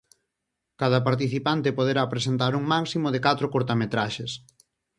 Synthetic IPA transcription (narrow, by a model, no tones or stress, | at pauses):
kaðɐpaɾt̪̬iθipant̪epoð̞eɾaːpɾesent̪aɾuŋmaksimoðekat̪ɾokoɾt̪amet̪ɾaʃes